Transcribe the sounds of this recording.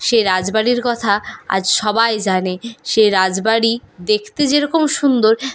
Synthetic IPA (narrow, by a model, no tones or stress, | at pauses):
ʃeɾad͡ʑbaɽiɾkɔt̪ʰaa̰d͡ʑʃɔbajd͡ʑaneʃeɾad͡ʑbaɽid̪ekʰt̪ed͡ʑeɾɔkomʃund̪oɾ